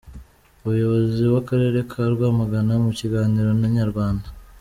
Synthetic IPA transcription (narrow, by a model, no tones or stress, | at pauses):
umujo̞βo̞ziwakaɾe̞ːɾe̞kʰaɾɡwaːmaɡanamuciɡaːniɾo̞naɲaɾɡwaːnda